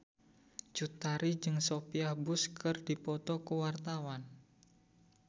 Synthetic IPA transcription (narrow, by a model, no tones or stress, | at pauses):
d͡ʒut̪aɾid͡ʒɨŋsopiahbʊskɨrdipɔt̪ɔkəwart̪awan